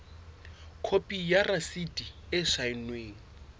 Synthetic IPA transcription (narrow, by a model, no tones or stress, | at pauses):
kʰopʼijarasidiɪʃaɪnweːŋ̩